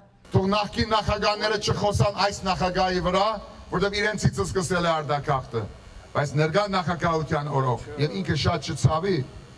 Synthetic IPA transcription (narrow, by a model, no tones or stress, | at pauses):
t̪ʰɔʁnɑχkinːɑχɑɡɑhnɛɾət͡ʃʰəχɔsɑnɑjsnɑχɑɡɑɦivəɾɑvɔɾt̪ɛviɾɛnt͡sʰit͡sʰəskəsɛlɛɑɾd̪ɑkʰɑχt̪ə | b̥ɑjt͡sʰnɛɾɡɑnɑχɑkɑɦut̪ʰjɑnɔɾɔkʰjɛviŋkʰəʃɑt̪̚t͡ʃʰət͡sʰɑvi